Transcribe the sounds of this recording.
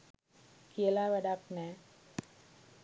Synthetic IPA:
kiəlaʋɛɖaknɛ

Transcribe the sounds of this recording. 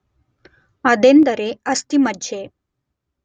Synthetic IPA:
əd̪end̪əɾeəst̪imədd͡ʑe

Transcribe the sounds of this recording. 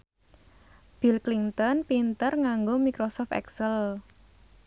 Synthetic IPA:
b̥ilklint̪ɔnpint̪ərŋaŋɡomikɾosɔft̪ɛ̰ksəl

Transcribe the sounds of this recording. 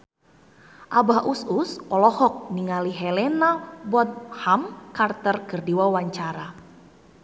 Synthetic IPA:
ʔabaɦʔususɔlɔhɔk̚niŋaliɦɛlɛnabɔt̪̚hamkart̪ərkərdiwawaɲt͡ʃaɾa

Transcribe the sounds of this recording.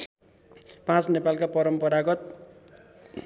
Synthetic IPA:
pãt͡snepalkapʌɾʌmpʌɾaɡʌt̪̚

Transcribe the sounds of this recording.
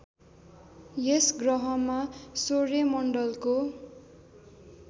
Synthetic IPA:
jesɡrʌɦʌmasoremʌɳɖʌlko

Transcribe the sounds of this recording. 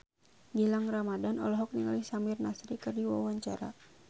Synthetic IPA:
ɡilaŋramadanɔ̰lɔɦɔk̚niŋalisamirnasɾikɨrdiwawaɲt͡ʃaɾa̰

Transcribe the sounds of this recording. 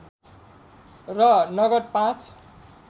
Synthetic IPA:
rʌnʌɡʌrpãt͡sʰ

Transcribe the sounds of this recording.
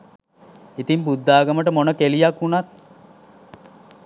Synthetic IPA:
it̪impud̪ːaːɡəməʈəmonəkelijakunat̪̚

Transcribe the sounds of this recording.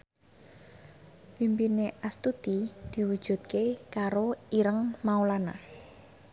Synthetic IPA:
pimpineʔast̪ud̪̥id̪̥i̤wud̥ʒ̥ṳt̪̚kekaɾoiɾəŋmaolana̰

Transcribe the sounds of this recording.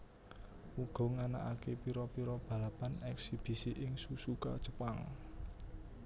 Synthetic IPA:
uɡ̥ɔ̤ŋana̰ʔa̰kepiɾɔpiɾɔb̥ä̤lapanɛksib̥i̤siʔɪŋsusuka̰d̥ʒ̥ə̥paŋ

